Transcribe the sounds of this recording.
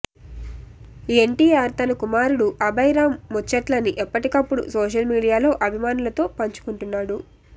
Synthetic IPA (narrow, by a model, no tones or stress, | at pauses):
ieɳʈiːaːɾt̪ɐnɐkumaːɾuɽuʔɐbɐjɾaːmːɔt͡ʃːɐʈlɐniʔɛpːɐʈikɐpːuɽṵsoːʃ̬ɐlmiːɽijaːlo̞ːʔɐbʱimaːnulɐt̪o̞ːpɐɲt͡ʃu̥kuɳʈunːaːɽu